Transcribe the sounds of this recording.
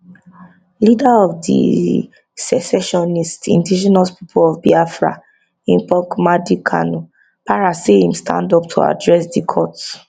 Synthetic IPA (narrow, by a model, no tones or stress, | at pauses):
lidaɔfdḭ | sɛsɛʃɔnistḭ̃ndid͡ʒɔnɔspi̥pʰolɔvbiafɹa̰ | ĩnpɔkmadikʰa̰nu | paɹasehĩmstʰã̰ndɔp̚tʰṵa̰dɹɛsdikʰɔt